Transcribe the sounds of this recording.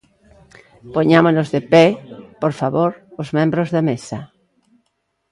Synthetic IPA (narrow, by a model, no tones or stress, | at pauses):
poɲamonozðepɛpoɾfaβoɾozmẽmbɾozðemesɐ